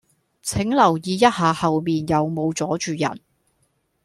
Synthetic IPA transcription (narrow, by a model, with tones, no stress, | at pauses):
t͡sʰɪ˨˥ŋlɐ˨˩wjiː˨˧jɐ˥t̚haː˨˧hɐ˨wmiː˨njɐ˨˧wmo˨˧wt͡sɔː˨˥t͡ʃyː˨jɐ̰˨˩n